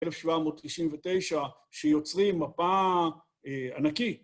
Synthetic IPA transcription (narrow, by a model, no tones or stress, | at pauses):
elefʃvamoːt̪tiʃinvet̪e̞jʃa | ʃejo̞t͡sʁimːapa | a̰naki